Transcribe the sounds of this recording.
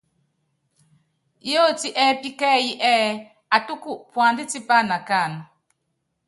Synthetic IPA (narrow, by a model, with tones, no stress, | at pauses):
jo˦ti˦ʔɛ˦pi˦kɛː˦ji˦ʔɛ˦ | a˨tu˦ku˦˨ʔpwa˨ndi˦ti˦pa˦na˨ka˦˨n